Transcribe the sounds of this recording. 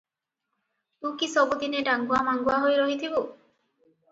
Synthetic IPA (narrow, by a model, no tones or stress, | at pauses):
ukisɔbud̪ineɖaŋɡuamaŋɡuaɦojɾɔɦit̪ʰibo